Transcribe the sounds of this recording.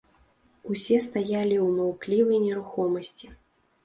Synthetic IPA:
usʲɛst̪ajalʲiwmɔwklʲivɐjnʲɛɾuxɔmɐsʲt͡sʲi

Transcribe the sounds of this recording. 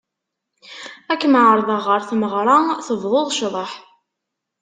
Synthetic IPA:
ækːmʕəɾˤðˤəʁəɾθməʁɾˤɑθəvðˤoðˤʃðˤəħ

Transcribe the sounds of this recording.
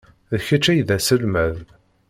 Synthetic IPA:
ðçæt͡ʃːæjðæsəlmæð

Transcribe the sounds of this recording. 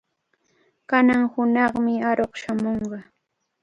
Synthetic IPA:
kanaŋhʊnɑχmɪaɾoχʃamoɴɢɑ

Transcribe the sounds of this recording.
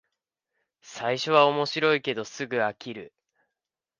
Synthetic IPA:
saiɕo̞β̞ao̞mo̞ɕiɾo̞ike̞d̪o̞sɨɡɯ̟akʲiɾɯ̟

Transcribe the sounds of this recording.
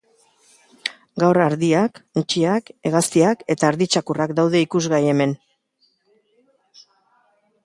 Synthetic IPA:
ɡawraɾðiakut͡ʃiake̞ɣast̪iake̞t̪aːɾðit͡ʃakurakd̪awðe̞ikuzɣaje̞me̞n

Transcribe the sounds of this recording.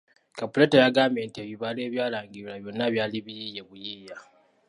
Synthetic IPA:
kapuletejaɡaːmeːntieβiβale̞ːβjaːlaːŋɡilaβjo̞nːaβjaːliβijije̞βujiːja

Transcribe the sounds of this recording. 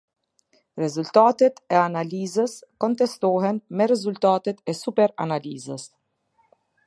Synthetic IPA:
ɾɛzult̪at̪ɛt̪ɛanalizəskɔnt̪ɛst̪ɔɦɛnmɛɾɛzult̪at̪ɛt̪ɛsupɛɾa̰nalizəs

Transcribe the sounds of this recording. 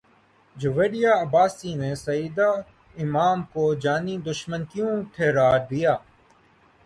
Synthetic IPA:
d͡ʒʊʋeːɽijaːɐbaːsiːneːsəiːd̪aː | ɪmaːmkoːd͡ʒaːniːd̪ʊʃmənkɪjõːʈ̪ʰeːɾaːɾd̪ijaː

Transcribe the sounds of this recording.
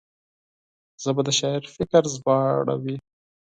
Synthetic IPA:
z̥əbad̪əʃɑɪɾfɪkəɾzbɑɽa̰wi

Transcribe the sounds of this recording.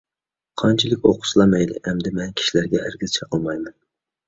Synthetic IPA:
qʰɑnt͡ʃʰilˠɪkʲoqʰʊ̥slˠɑmɛjlɪ̰ʔɛmd̪ɪmɛnkʲʰi̥ʃilæɾɡʲɛæɾɡʲizt͡ʃʰɛqʰəlˠmɑjmɛn

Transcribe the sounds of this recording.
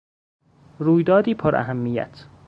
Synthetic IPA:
ɾuːjd̪ɒːd̪iːpʰoɾʔæ̰ɦæmːijæ̰t̪ʰ

